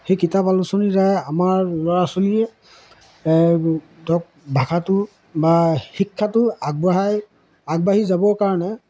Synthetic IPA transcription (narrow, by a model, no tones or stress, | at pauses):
xejkitapalusonizajamaɹlɔɹasoliɛ | dɔk̚bʱakʰatʊ | baxikʰːatʊaɡ̚baɦaj | aɡ̚baɦizabɔɹkaɹɔnɛ